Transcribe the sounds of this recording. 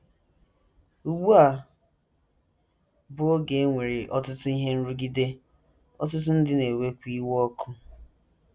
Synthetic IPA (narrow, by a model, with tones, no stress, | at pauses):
u˨ɡ͡bu˦a˨ | bʊ˨o˦ɡe˨˦ŋʷe˨ɾɪ˨ʔɔ˦tʊ˦tʊ˦i˦ɦe˦n̩˦ɾu˦ɡi˦de˦ | ɔ˦t̬ʊ˦t̬ʊ˦n̩˦dɪ˦ne˨we˦kʷi˦wɔ˦kʰʊ˦